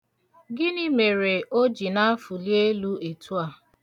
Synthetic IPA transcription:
ɡɪ˦ni˦me˨ɾe˨ʔo˦d͡ʒi˨na˦a˦fu˨li˦e˦lu˦e˨tu˦a˦˨

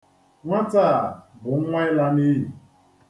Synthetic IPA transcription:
ŋʷa˦ta˦˨bʊ˨˦ŋʷa˦ɪ˦la˦ni˦ɦi˨

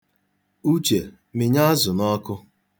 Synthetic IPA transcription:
u˦t͡ʃe˨ | mɪ˨ɲa˦a˦zʊ˨nɔ˦kʊ˦

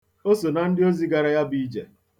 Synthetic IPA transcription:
o˦so˨na˨n̩˦dɪ˦o˦zi˦ɡa˨ɾa˨ja˦bi˨i˦d͡ʒe˨

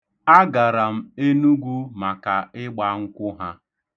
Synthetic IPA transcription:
a˦ɡa˨ɾa˨m̩˦e˦nu˦ɡʷu˦ma˨ka˨ɪ˦ɡ͡ba˦ŋ̩˦kʷʊ˦ɦa˦

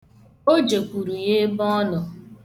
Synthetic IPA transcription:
o˦d͡ʒe˨kʷu˨ɾu˨je˦bɔ˦nʊ˨

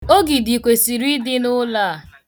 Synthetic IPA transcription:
o˦ɡi˨di˨kʷe˨si˨ɾi˦dɪ˦nʊ˦la˦˨

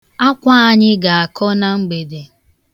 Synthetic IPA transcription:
a˦kʷa˦a˦ɲɪ˦ɡa˨a˨kʰɔ˦na˦ŋ͡m̩˦ɡ͡be˨de˨

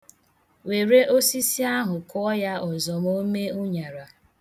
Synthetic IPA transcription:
we˨ɾe˦ʔo˦si˦si˦a˦ɦʊ˨kʰɔ˦ja˦ɔ˨zɔ˨m˦o˦me˦ʊ˦ɲa˨ɾa˨

